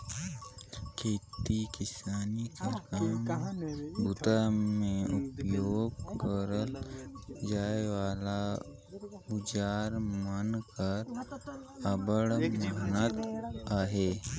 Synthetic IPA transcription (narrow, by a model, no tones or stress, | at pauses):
kʰeːt̪ikɪsaːnikekaːm | bʱʊt̪amẽʊpjoːɡkəɾəl | d͡ʒaːeʋaːla | ʊd͡ʒaːɾmənkəɾ | əbəɽmənət̪aːɦeː